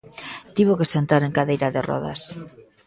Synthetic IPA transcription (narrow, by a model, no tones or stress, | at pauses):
t̪iβokesent̪aɾeŋkaðejɾaðɪrɔ̰ðɐ̰s